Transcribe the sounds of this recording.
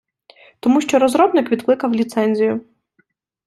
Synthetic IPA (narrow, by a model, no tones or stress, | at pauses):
t̪ɔmuʃt͡ʃɔɾɔzɾɔb̪nɪkʋʲid̪klˠɪkɐwlʲit̪sɛnʲzʲijʊ